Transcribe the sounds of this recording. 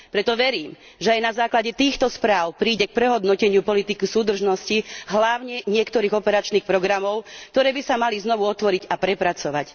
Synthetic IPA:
pɾɛt̪ɔʋɛɾiːm | ʒɛajnazaːklaɟɛt̪iːxt̪ɔspɾaːʊpɾiːɟɛk̚pɾɛɦɔd̪nɔcɛɲɪupɔlit̪ikisuːd̪r̩ʒnɔsciɦlaʊɲɛɲɪɛkt̪ɔɾiːɣɔpɛɾat͡ʃniːxpɾɔɡɾamɔʊkt̪ɔɾɛːbisamaliznɔʋuɔt̪ʋɔɾiɟapɾɛpɾat͡sɔʋac

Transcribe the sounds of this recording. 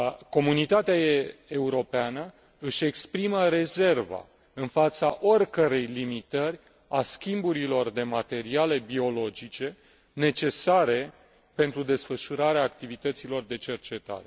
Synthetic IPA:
ko̞munit̪at̪eaeuɾo̞peanə | ɨʃʲe̞kspɾiməɾe̞ze̞rva̰ | ɨnfat̪saʔo̞rʲkəɾe̞jlimit̪ərʲ | askʲimbuɾilo̞rd̪e̞mat̪e̞ɾiale̞bio̞lo̞d͡ʒit͡ʃe̞ | ne̞t͡ʃe̞saɾe̞ | pe̞nt̪ɾud̪e̞sfəʃuɾaɾeaːk̚t̪ivit̪ət̪silo̞rd̪e̞t͡ʃe̞rt͡ʃe̞t̪a̰ɾe̞

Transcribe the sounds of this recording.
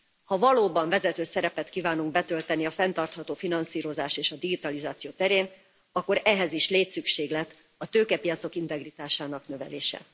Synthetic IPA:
hɒvɒloːbɒɱvɛzɛt̪øːsɛɾɛpɛt̪kiːvaːnuŋɡ̚bɛt̪ø̞lt̪ɛniɒfɛnt̪ɒrt̪hɒt̪oːfinɒnsiːɾo̞zaːʃeːʃɒd̪iɡit̪ɒlizaːt̪sijoːt̪ɛɾeːn | ɒkːo̞ɾɛɦɛziʃleːt̪sykʃeːɡlɛt̪ː | ɒt̪øːkɛpijɒt̪so̞kint̪ɛɡrit̪aːʃaːnɒknøvɛ̰lḛːʃɛ̰

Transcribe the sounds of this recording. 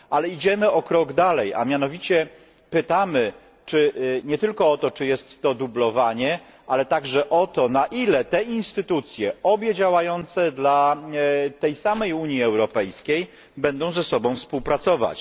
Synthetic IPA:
alɛid͡ʑɛmɘɔkɾɔɡd̪alɛja̰mʲjan̪ɔvʲit͡ɕɛ | pɘt̪amɘ | t͡ʂɘɲɛt̪ɘlkɔɔt̪ɔt͡ʂɘjɛst̪ːɔd̪ublɔvaɲɛ | ʔalɛt̪aɡʐɛʔɔt̪ɔnaʔilɛt̪ɛinst̪ɘt̪ut̪sʲjɛɔbʲjɛd͡ʑawajɔnt̪sɛd̪la | t̪ɛjsamɛjuɲiɛwɾɔpɛjskʲej | bɛnd̪ɔ̃w̃zɛsɔbɔ̃w̃fspuwpɾat̪sɔva̰t͡ɕ

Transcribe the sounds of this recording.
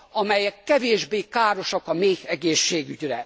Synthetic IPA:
ɒmɛjɛkːɛveːʒbeːkaːɾo̞ʃɒkɒmeːkɛɡeːʃːeːɡyɟrɛ

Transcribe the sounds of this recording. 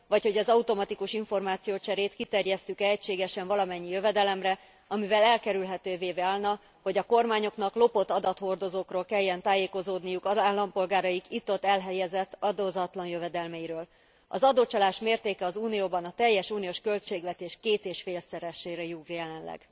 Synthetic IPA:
vɒcho̞ɟɒzɒut̪o̞mɒt̪ikuʃiɱfo̞rmaːt̪sijoːt͡ʃɛɾeːt̪kit̪ɛrjɛst̪ykɛɛcʃeːɡɛʃɛɱvɒlɒmɛɲːijø̞vɛd̪ɛlɛmrɛ | ɒmivɛlɛlkɛɾylɦɛt̪øːveːvɛaːlnɒ | ho̞ɟɒko̞rmaːɲo̞knɒklo̞po̞t̪ːɒd̪ɒt̪ho̞rd̪o̞zoːkroːlkɛjːɛnt̪aːjeːko̞zoːd̪nijukɒaːlːɒmpo̞lɡaːɾɒjikit̪ːo̞t̪ːɛlɦɛjɛzɛt̪ːɒd̪oːzɒt̪lɒnjøvɛd̪ɛlmɛjiɾøːl | ɒzɒd̪oːt͡ʃɒlaːʃmeːrt̪eːkɛɒzuːnijoːbɒnɒt̪ɛjːɛʃuːnijoːʃkø̞lt͡ʃeːɡʋɛt̪eːʃkeːt̪eːʃfeːlsɛɾɛʃːeːɾɛjuɡrjɛlɛnlɛ̰ɡ̥

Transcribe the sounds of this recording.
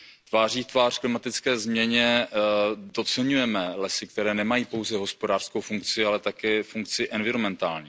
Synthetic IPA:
t̪vaːriːft̪vaːr̥klɪmat̪ɪt͡skɛːzmɲɛɲɛ | do̞t͡sɛɲujɛmɛlɛsɪk̚t̪ɛɾɛːnɛmajiːpo̞wzɛɦo̞spo̞daːr̥skowfuŋkt͡sɪalɛt̪akɛːfuŋk̚t͡sɪʔɛnvɪɾomɛnt̪aːlɲiː

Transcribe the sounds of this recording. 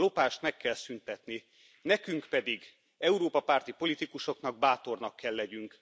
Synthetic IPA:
o̞paːʃt̪mɛkːɛlsynt̪ɛt̪ni | nɛkyŋkpɛd̪iɡ | ɛuɾoːpɒpart̪ipo̞lit̪ikuʃo̞knɒɡ̚baːt̪o̞rnɒkːɛlːɛɟyŋk

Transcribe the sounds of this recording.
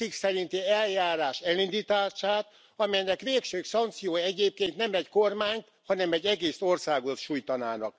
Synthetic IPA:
iksɛɾint̪iɛljaːɾaːʃɛlind̪it̪aːʃaːt̪ | ɒmɛjnɛkʋeːkʃøːsɒnkt̪sijoːjɛɟeːp̚keːnt̪nɛmɛckormaːɲt̪ | hɒnɛmɛɟːɛɡeːso̞rsaːɡot̪ʃuːjt̪ɒnaːnɒ̰k

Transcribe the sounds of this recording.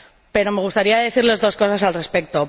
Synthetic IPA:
pe̞ɾo̞me̞ɣ̞ust̪aɾiaðe̞θiɾle̞zðo̞sko̞sas̬alre̞spe̞k̚t̪o̞

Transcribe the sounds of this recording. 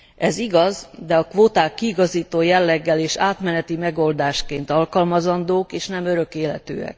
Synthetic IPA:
ʔɛziɡɒzd̪ɛɒkʋoːt̪aːkːiːɡɒziːt̪oːjɛlːɛɡːɛleːʃaːt̪mɛnɛt̪imɛɡo̞ld̪aːʃkeːnt̪ɒlkɒlmɒzɒnd̪oːkeːʃnɛmøɾø̞keːlɛt̪ø̰ːɛ̰k

